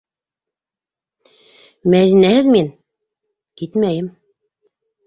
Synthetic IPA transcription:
mæðinæhɘðmin | kit̪mæjɘm

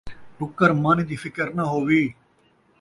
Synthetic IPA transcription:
ʈʊkːəɾmaːniːd̪iːfʰɪkəɾnaɦoːʋiː

